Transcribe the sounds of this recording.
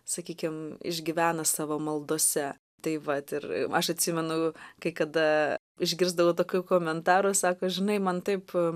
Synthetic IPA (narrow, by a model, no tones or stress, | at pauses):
sɐkʲiːkʲɪmɪ̰ʒʲɡʲiʋʲæːnɐsɑːʋoːmɐlˠd̪oːsʲɛ | t̪ɐɪʋɐt̪ɪɾɐʃɐt̪ʲsʲɪmʲɛnʊkɐɪkɐd̪ɐ | ɪʒʲɡʲɪɾzd̪ɐʋoːt̪oːkʲukoːmʲɛnt̪ɑːɾʊsɑːkoːʒʲɪnɐɪmɐnt̪ɐɪp